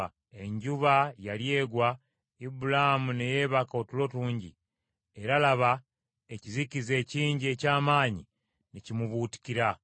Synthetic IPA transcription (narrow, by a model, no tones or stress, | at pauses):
e̞ɲɟuβajalje̞ːɡwa | ibulahamune̞je̞ːβakao̞tulo̞tuːɲɟḭ | e̞ɾalaβa | e̞cizicize̞ːciːɲɟie̞ːcaːmaːɲi | necimuβuːti̥ciɾa